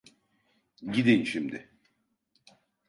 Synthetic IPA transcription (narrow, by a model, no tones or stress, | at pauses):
ɟid̪inʃimd̪ɪ